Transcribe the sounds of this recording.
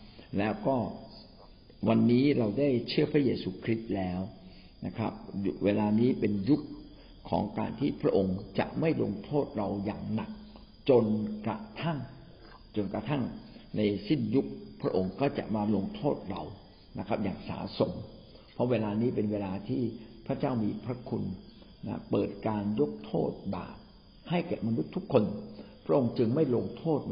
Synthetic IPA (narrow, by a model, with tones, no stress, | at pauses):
lɛː˦˥wkɔː˥˩ | wa˧nːiː˦˥ɾa˧wdaː˥˩jt͡ɕʰɯ˥˩ɐpʰɾa˦˥jeː˧suː˧kʰɾi˦˥t̪̚lɛː˦˥w | na˦˥kʰɾa̰˦˥p̚weː˧laː˧niː˦˥pe˧nju˦˥k̚ʰː | ɔ̰ː˩˦ŋka̰ː˧nt̪ʰiː˥˩pʰɾa˦˥ʔo˧ŋt͡ɕa̰˨˩ʔma˥˩jlo̰˧ŋt̪ʰoː˥˩t̪̚ɾa˧wjaː˨˩ŋna˨˩k̚ | t͡ɕo˧nkɾa˧˩t̪ʰa˥˩ŋ | t͡ɕo˧nka˧t̪ʰa˥˩ŋna˧jsi˥˩nju˦˥k̚pʰɾa˦˥ʔo˧ŋkɔː˥˩t͡ɕa̰˨˩ʔmaː˧lo˧ŋt̪ʰoː˥˩t̪̚ɾa̰˧w | na˦˥kʰɾa˦˥p̚jaː˨˩ŋsa̰ː˩˦so˨˩˦m | pʰɔ˦˥weː˧laː˧niː˦˥pe˧nweː˧laː˧t̪ʰiː˥˩pʰɾa˦˥t͡ɕaː˥˩wmiː˧pʰɾa˦˥kʰṵ˧n | na̰˦˥pɤː˨˩t̪̚kaː˧njo˦˥k̚t̪ʰo̰ː˥˩t̪̚ba̰ː˨˩p̚ | ha˥˩jkɛ˨˩p̚ma˧nu˦˥t̪ʰːu˦˥kʰːo˧npʰɾa˦˥ʔo˧ŋt͡ɕɯ˧ŋma˥˩jlo˧ŋt̪ʰoː˥˩t̪̚